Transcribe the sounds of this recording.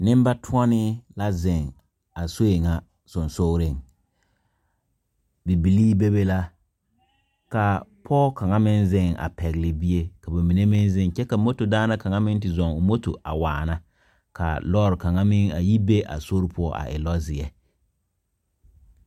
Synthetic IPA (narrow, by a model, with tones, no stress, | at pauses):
nɪ˦m˦ba˦tʰʊ˦ɔ˦nɪ˦la˦zɪ˨ŋ | a˨so˦e˨ŋa˦ | sʊ˨nso˦ɾɪ˦˨ŋ | bi˨bi˨liː˦be˦be˦la˦ | ka˨pʰɔː˦ka˨ŋa˦mɪ˦nzɪ˦˨ŋa̰˨pɛ˨ɣɪ˨lɪ˨bi˦e˦ka˨ba˨mi˨ne˦mɪ˦nzɪ˦ŋ˨t͡ʃɛ˦ka˨mo˦to˨daː˦na˦ka˨ŋa˦mɪ˦n˦tɪ˨zɔ˨ŋʊ˨mo˦to̰˨ʔa̰˨wa̰ː˨na˦ | ka̰˨lɔː˦ɾɪ˨ka˨ŋa˦mɪ˦ŋa̰˨ji˦be˦ʔa̰˨so˦ɾpʰʊ˦ɔ˦ʔa̰˨ʔɪ̰˨lɔ˦zɪ˨ɛ˨